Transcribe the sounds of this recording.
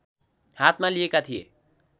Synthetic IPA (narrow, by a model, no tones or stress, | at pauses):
hat̪ʰmalijekat̪ʰijḛ